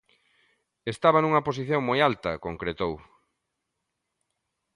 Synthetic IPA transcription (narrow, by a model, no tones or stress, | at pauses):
est̪aβɐnuŋɐposiθjoŋmojalt̪ɐkoŋkɾet̪ow